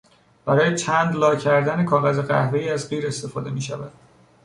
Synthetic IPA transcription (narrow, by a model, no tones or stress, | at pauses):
b̥æɾɒːjet͡ʃʰænd̪lɒːcʰæɾd̪æne̞kʰɒːɣæzeɣæ̰hve̞iːæzɢiːɾe̞st̪e̞fɒːd̪e̞miːʃævæd̪̥